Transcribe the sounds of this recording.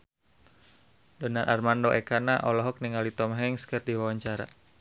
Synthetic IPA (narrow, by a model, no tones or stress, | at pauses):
dɔnarʔarmandoʔɛkanaʔɔlɔɦɔk̚niŋalit̪ɔmɦɛŋskərdiwawaɲt͡ʃaɾa̰